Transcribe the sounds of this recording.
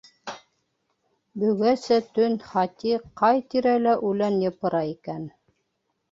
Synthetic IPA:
bɵ̆ɡæsæt̪ɵnχɑt̪iqɑjt̪iɾælæʔʉlænjɤ̆pɤ̆ɾɑikæn

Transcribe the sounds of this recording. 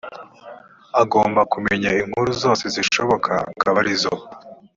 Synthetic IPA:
aɡo̞ːmbakume̞ɲaiŋhuɾuzo̞ːse̞ziʃo̞βo̞kʰa̰kaβaɾizo

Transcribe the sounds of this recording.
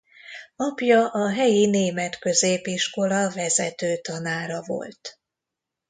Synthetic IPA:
ɒpjɒʔɒɦɛjineːmɛt̪kø̞zeːpiʃko̞lɒvɛzɛt̪øːt̪ɒnaːɾɒvo̞̰lt̪

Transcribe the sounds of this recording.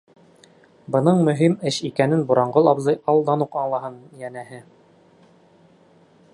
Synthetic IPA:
bɤ̆nɤɴmɵ̆ɦimɘɕikænɘnbuɾɑɴɢɤlˠɑbzɤjɑlˠd̪ɑnuqɑlˠɑɦɤnjænæhɘ

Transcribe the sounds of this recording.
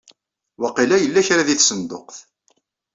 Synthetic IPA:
wɑqilæjəlːæçɾaðiθsənd̪ʊ̰qθ

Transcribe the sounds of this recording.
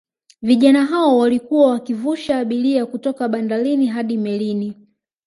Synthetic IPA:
viʄanaɦaɔwalikuwawakivuʃaːɓiliakutɔkaɓandaliniɦaɗimɛlini

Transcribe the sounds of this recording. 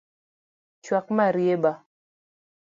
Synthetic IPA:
t͡ʃwak̚maɾjeba

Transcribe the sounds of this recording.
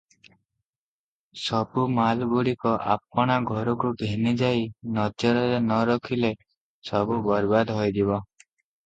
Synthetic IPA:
sɔbumalbuɽikɔʔa̰p̚ɔɽ̃aɡʱɔɾɔkuɡʱenid͡ʒajnɔd͡ʒɔɾɔɾenɔɾɔkʰile | sɔbubɔɾbad̪ɦɔjd̪ibɔ

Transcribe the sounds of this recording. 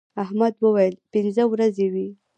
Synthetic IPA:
aɦmad̪wəwajəlpɪnzəwɾazewi

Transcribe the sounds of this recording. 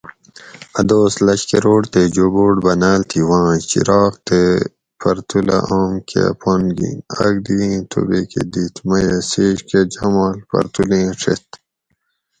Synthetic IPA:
ɐd̪oːslɐɕkeɾoːɽt̪ed͡ʑoboːʈbɐnaːlt̪ʰiwãːt͡ɕḭɾɑːkt̪e | pɐɾt̪ula̰ʔaːmkʰepʰonɡḭ̃nɐ̰ɡ̚d̪iĩt̪ʰṵbekḛd̪it̪mɐjɐseːɕked͡ʑɐmaːlpɐ̰ɾt̪ulẽːʂʰḛt̪

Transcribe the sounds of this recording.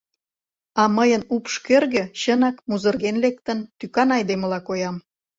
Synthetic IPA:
ɑməjənupʃkørɣə̆ɕənɑkmuzə̆rɣenlek̚t̪ənt̪ykɑnɑjd̪emə̆lɑkojɑm

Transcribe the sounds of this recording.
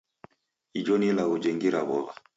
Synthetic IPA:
id͡ʒɔnilaɣud͡ʒɛŋɡiɾaβɔβa

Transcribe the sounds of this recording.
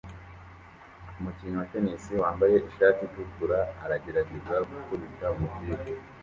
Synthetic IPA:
umuciːɲuwace̞ɲesiwaːmbaje̞ʔiʃaːtitukuɾaːɾaɟeɾaɡiʒaɾɡukuβitaumutiːɡo

